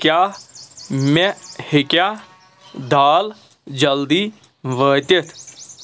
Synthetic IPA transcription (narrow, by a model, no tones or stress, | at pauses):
kjaː | mɛhɪkjaː | d̪ʱaːl | d͡ʒəld̪iː | ʋəːt̪et̪ʰ